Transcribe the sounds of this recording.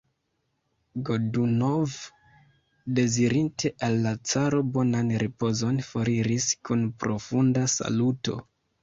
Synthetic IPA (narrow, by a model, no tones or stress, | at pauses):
ɡoduno̞v | de̞ziɾintʰe̞ʔalːat͡saɾo̞bo̞nanɾipo̞zo̞nfoɾiɾiskʰunpɾo̞fundasa̰luto̞̰